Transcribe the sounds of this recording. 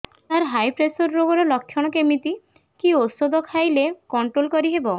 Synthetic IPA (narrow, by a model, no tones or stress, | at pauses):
t̪aɾɦajpɾesɔɾːoɡɔɾɔlɔk̚t̪ʰjɔɽ̃ɔkemit̪i | kiosɔd̪ɔkʰajlekɔɳʈɾolkɔɾiɦebɔ